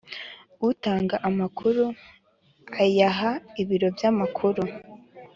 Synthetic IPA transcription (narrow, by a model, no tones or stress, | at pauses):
utaːŋɡaʔamakʰuɾu | ajaɦaiβiɾo̞vjamakʰuɾu